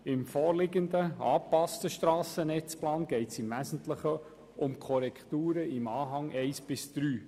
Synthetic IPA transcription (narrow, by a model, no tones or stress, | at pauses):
ɪmfɔːɾlɪɡənd̪əɑːpɑstəʃt̪ɾɑːsənɛt͡splɑːnɡ̥ɛɪtsɪmvæsən̩tləχə | ʊmkʰɔɾɛkχt̪uːɾəɪmɑːɦɑŋɛɪsb̥ɪsd̪̥ɾyː